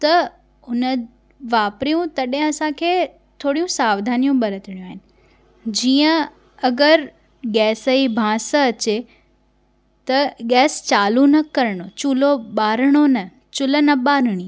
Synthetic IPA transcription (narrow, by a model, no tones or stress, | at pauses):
t̪ɐ | ʊnə | ʋaːpɾijũt̪ɐɗɦɪ̃ɐsãkʰeː | t̪ʰoːɽijũsaːʋd̪ʱaːnijũɓɐɾət̪ɪɽ̃jũaːɦɪnɪ̆ | d͡ʑiːə̃ | ɐɡəɾ | ɠɛːsəibʱãːsəɐt͡ɕe | t̪ɐɠɛːst͡ɕaːlunɐkɐɾɽ̃ot͡ɕuloɓaːɾɽ̃onɐ | t͡ɕʊlənɐɓaːɾɽ̃iː